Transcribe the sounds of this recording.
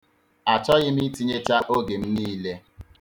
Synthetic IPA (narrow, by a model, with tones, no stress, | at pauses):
a˨t͡ʃɔ˦ɣɪ˦m̩˦i˦ti˦ɲe˦t͡ʃa˦ʔo˦ɡe˨m̩˦niː˦le˦